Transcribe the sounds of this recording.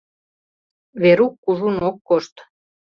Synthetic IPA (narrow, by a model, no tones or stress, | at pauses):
βeɾukːuʒunokːoʃt̪